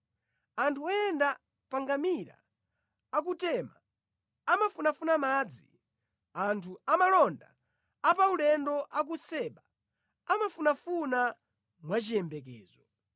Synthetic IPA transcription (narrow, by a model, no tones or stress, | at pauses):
antʰuaɛnda | paŋɡamiɾa̰ | ak̬utɛːma | amafunafunamaːd͡zḭ | antʰuamalɔnda̰ | apaulɛndɔʔak̬usɛːɓa | amafunafuna | mwat͡ʃijɛmbɛk̬ɛːzɔ